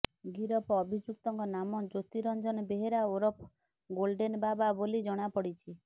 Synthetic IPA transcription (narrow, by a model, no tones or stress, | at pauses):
ɡiɾɔpɔbʱid͡ʒuk̚t̪ɔŋkɔnamɔd͡ʒot̪iɾɔnd͡ʒɔnbeɦeɾaoɾɔp | ɡolɖenbababolid͡ʒɔɽ̃apɔɽit͡ʃʰi